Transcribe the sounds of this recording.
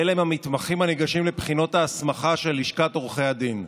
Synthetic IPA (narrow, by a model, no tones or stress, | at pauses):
elaemamit̪maχimhaneɡaʃimlepχino̞thaːsmaχaʃe̞liʃkatoʁχejad̪in